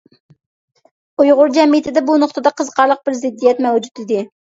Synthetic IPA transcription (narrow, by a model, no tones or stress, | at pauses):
ujʁʊɾd͡ʒɛmijɪt̪ʰɪd̪ɛbunʊχt̪ɨd̪ɑqʰəzqʰɑɾlˠəq̚bɪɾzɪd̪ːijɛt̪mɛwd͡ʒut̪id̪ɪ